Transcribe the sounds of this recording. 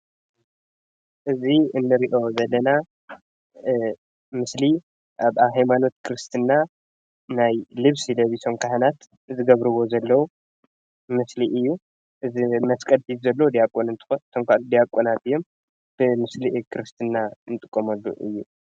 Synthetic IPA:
ʔɨziɨnːɨɾiʔo̞zɐlːɐna | mɨsli | ʔaβaβɦajmano̞t̪̚kʰɨɾɨst̪ʰɨnːa | najlɨβsilɐβiso̞mkʰahnat̪ | zɨɡɐβɾɨβo̞zɐlːɐwu | mɨsliʔɨjːu | ʔɨzimɐskʼɐd̪ħizɐlːɐwd̪ijakʼːonɨnt̪ʰɨ̥ot̪ʰomkʰʷalud̪ijakʼːonat̪ɨjːo̞m | b̥ɨmɨsliʔkʰɨɾɨst̪ʰɨnːanɨt̪ʼɨkʼːɐmɐlːṵʔɨ̰jːu

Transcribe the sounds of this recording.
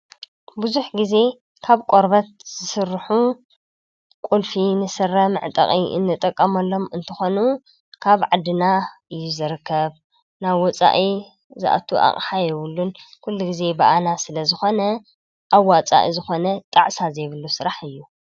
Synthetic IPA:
buzuħɡize̞ | kʰaβkʼoɾbɐt̪̚z̥ɨsɨrːħu | kʼulfinɨsɨrɐmɨʕt̪ʼɐ̰χʼiʔɨ̰nːɨt̪ʼɐkʼːɐmɐlːo̞mɨnt̪ʰɐxo̞nu | kʰaβʕad̪ːɨnaɨjːuzɨɾɨkʰːɐβ | naβwɔt͡sʼa̰ʔi | za̰ʔa̰t̪ʰuʔa̰χʼħajɛwʊlːunkʰulːuɡize̞bɐʔanasɨlɐzɨxo̞nɐ | ʔawːat͡sʼa̰ʔizɨxo̞nɐt̪ʼaʕsazɐjβɨlːusɨɾaħɨjːu

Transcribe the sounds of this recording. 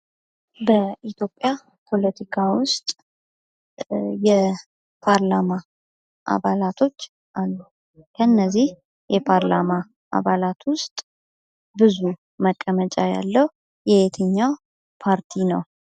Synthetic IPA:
bəʔit̪jo̞pʼːja | pʰo̞lət̪ʰikʰawʊst̪ʼ | jɛ | pʰaɾlama | ʔa̰βalat̪ʰo̞t͡ʃː | ʔalːu | kʰəɨnːəzːih | jɛpʰaɾlama | ʔa̰βalat̪ʰwʊst̪ʼ | bɨzu | məkʼːəmət͡ʃʼaja̰lːəh | jɛet̪ʰəɲːaw | pʰaɾt̪ʰinəw

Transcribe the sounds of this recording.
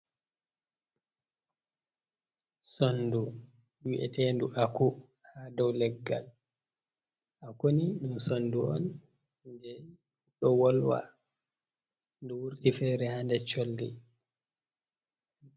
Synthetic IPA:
sondu | wiʔɛ̰tɛnduʔaku | hadɔwlɛɡːa̰l | ʔakoniɗunsonduʔɔ̰n | d͡ʒɛ | ɗɔwɔlwa̰ | nduwuɾtifɛɾɛhandɛt͡ʃolːḭ

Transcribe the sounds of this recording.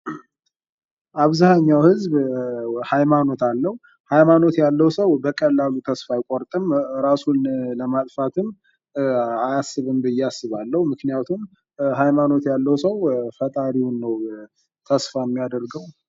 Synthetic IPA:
ʔaβzahaɲːawhɨzb | hajmano̞t̪alːəhu | hajmano̞t̪jalːəwsəwbəkʼəlːalut̪ʰəsfajkʼoɾt̪ʼɨmɾasunləmat̪ʼfat̪ʰɨm | ajasːɨβɨmbɨjːɛasːɨβalːəhumɨknijat̪ʰum | hajmano̞t̪jalːəwsəwfət̪ʼaɾinːəw | t̪ʰəsfaɛmːijad̪əɾɡəw

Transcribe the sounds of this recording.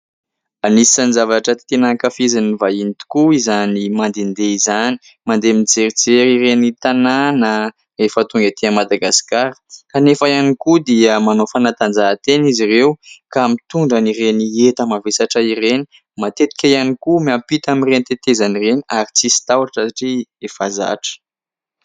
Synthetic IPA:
anisi̥sanzavaʈ͡ʂət̪e̥t̪enakafizanivainit̪u̥kuizanimand̪end̪eizani̥ | mand̪eminid͡zeɾid͡zeɾiɾenit̪ananə | efət̪uŋɡat̪eamad̪aɡaskaɾ̥kanefəjanikud̪iəmanofanat̪and͡zat̪enizirewkamit̪uɳɖ͡ʐəniɾeniet̪əmavesaʈ͡ʂəireni | mat̪et̪i̥kʲaijanikumampit̪aminrenit̪et̪ezanireniaɾit͡sisi̥t̪awaʈ͡ʂəsaʈ͡ʂiefaza̰ʈ͡ʂə̥

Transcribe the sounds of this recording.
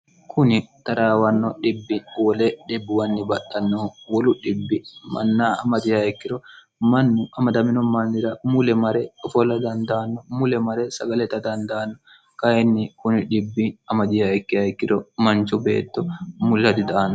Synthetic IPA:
kʰʊnɪt̪ɐɾaːwɐnːɔᶑɪbːɪwɔlɛᶑɪbːɪwɐnːɪbɐɗɐnːoːwɔlʊᶑɪbːɪmɐ̰nːaːɐmɐd̪ɪjaɛkːɪɾɔ | mɐnːʊʔɐmɐd̪ɐmɪnɔmɐnːɪɾɐmʊlɛmɐɾɛɔfɔlɐd̪ɐnd̪aːnːɔmʊlɛmɐɾɛsɐɡɐlɛt̪ɐd̪ɐnd̪aːnːɔ | kɐjɛnːɪkʊnɪᶑɪbːɪɐmɐd̪ɪjɐɛkːɪɐɛkːɪɾɔmɐnt͡ʃɔbḛːt̪ːɔmʊlɐd̪ɪd̪aːnːɔ

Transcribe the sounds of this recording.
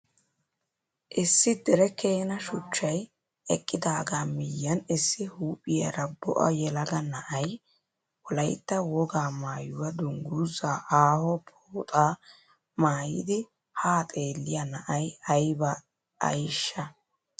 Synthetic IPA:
ʔɪsːɪd̪ɛɾɛkeːnɐʃʊt͡ʃːɐj | ʔɛkʼːɪd̪aːɡaːmɪjːɐnɪsːɪhuːpʼɪjɐ̰ɾɐbɔ̰ʔɐ̰jɛlɐɡɐnɐʔɐj | wɔlɐjt̪ːɐwɔɡaːmaːjʊwɐd̪ʊŋɡuzaːʔaːhɔpʰoːt̪ʼaː | maːjɪ̰d̪ɪ | haːt̪ʼe̞ːlːɪjɐnɐʔɐjɐjbɐ | ɐ̰jʃːɐ

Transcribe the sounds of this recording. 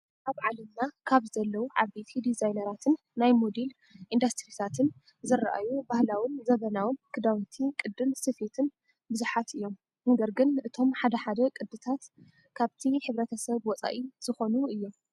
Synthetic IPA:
ʔaβʕalɐmnakʰaβzɐlːɐwuʕa̰bet̪ʰid̪izajnɐɾat̪ʰɨnːajmod̪el | ʔind̪ast̪ɾit̪ʰat̪ʰɨn | zɨɾaʔa̰jubahlawinzɐβɐnawɨnkʰɨd̪awt̪ʰikʼɨd̪ɨnsɨfet̪ʰɨn | bɨzuħat̪ɨjːo̞m | nɐɡɐɾɡɨnʔɨt̪ʰo̞mħad̪ɐħad̪ɐkʼɨd̪ɨt̪ʰat̪ | kʰaβt̪ʰiħɨβɾɐt̪ʰɐsɐβwɔt͡sʼa̰ʔiz̥ɨxo̞nuɨjːo̞m

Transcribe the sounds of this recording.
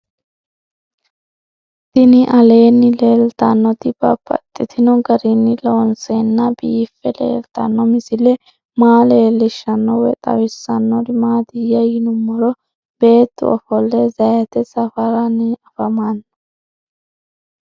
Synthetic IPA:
t̪ɪnɪʔɐle̞ːnːɪle̞ːlt̪ɐnːɔt̪ɪb̥ɐ̰bɐ̰t̪ʼːɪt̪ʰɪnɔɡɐɾɪnːɪlo̞ːnsenːɐbiːfːɛlḛːlt̪ɐ̰nːɔmɪsɪlɛ | maːle̞ːlːɪʃːɐnːɔwɛ̰t̪ʼɐ̰wɪsːɐnːɔɾɪmaːd̪ɪjɐjɪnʊmːɔɾɔ | b̥e̞ːt̪ːʊ̰ɔfɔlːɛzɐjɐt̪ɛsɐfɐɾɐnɪɐfɐman

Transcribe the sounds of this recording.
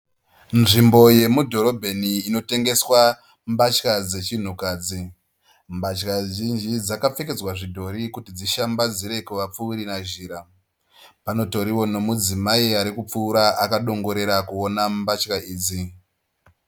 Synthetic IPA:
nʐimbo̞je̞mudʱo̞ɾo̞bʱeniːno̞te̞ŋɡe̞swa | mbat͡ʃkad͡ze̞t͡ʃin̤ukaːd͡zi | mbat͡ʃkaʒind͡ʒid͡zakap͡feked͡zwaʐidʱo̞ɾikutid͡ziʃambad͡ziɾe̞kuʋap͡fuuɾinaʒiːɾa | pano̞to̞ɾiwo̞no̞mud͡zimaiaɾikup͡fuːɾaʔakaɗo̞ŋɡo̞ɾe̞ɾakuo̞nambat͡ʃkaʔiːd͡zi

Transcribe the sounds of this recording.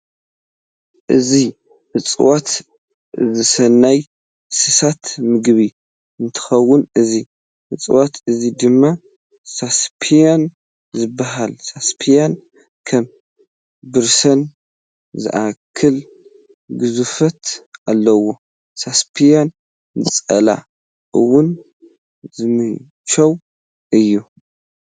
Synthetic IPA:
ʔɨzi | ʔɨt͡sʼwat̪ | zɨsɐnːaj | sɨsat̪mɨɡβi | ɨnt̪ʰɨ̥xɐwːʊnɨzi | ʔɨt͡sʼwat̪ʰɨzid̪ɨmːa | saspʰijan | zɨbːaɦalsaspʰijan | kʰɐm | bɨɾsɐn | zɨ̰ʔakʰːɨl | ɡɨzufɐt̪ʔalːɐwo̞ | saspʰijan | ɨt͡sʼɐ̰la̰ | ʔɨwʊn | zɨmɨ | t͡ʃɐw | ʔɨjːu

